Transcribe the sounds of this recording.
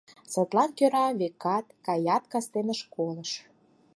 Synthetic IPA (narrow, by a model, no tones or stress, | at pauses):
set̪lɑnkøɾɑβekːɑt̪kɑjɑt̪kɑst̪enəʃkoləʃ